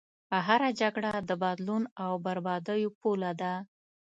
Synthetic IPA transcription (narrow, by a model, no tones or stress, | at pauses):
aɦaɾad͡ʒaɡɽad̪əbɑd̪lunawbaɾbɑd̪əjopolad̪a